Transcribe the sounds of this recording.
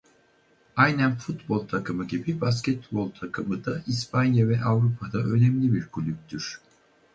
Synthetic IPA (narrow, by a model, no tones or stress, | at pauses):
ajnænfut̪bo̞lˠt̪ʰakʰɯmɯɟibibascɛt̪̚bo̞lˠt̪ʰakʰɯmɯd̪aispʰanjavɛʔavɾupʰad̪aʔø̞nɛmlʲibiɾkʰulʲyp̚ʲt̪ʰyɾ̥